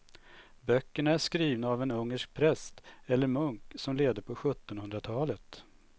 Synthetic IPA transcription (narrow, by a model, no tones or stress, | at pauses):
bœkːəɳaæʂkɾiːvnaːvɛnɵŋːəʂk̚pʰɾɛst̪ɛlːəɾmɵŋksɔmleːd̪əpʰɔɧɵt̪ːɔnhɵnd̪ɾat̪ʰɑːlət̪